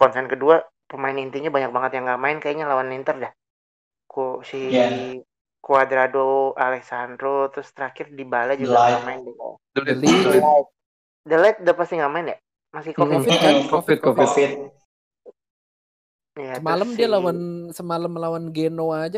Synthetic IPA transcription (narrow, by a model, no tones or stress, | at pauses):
kɔnsɛnkədua | pəmaɪnint̪iɲabaɲak̚baŋət̪jaŋɡaʔmaɪnkajaiɲalawanːint̪ərdah | koʃia | kuad̪ɾadoalɛksand̪ɾot̪ɾʊst̪əɾakɪrdibalad͡ʒuamaɪndika̰dulɪat̪̚ | dəlat̪̚dapast̪iŋɡaʔmaɪnja | masɪhkofɪfkofɪt̪kofift̪ | ijaəmaləmdialawansəmaləmlawanɡenoad͡ʒa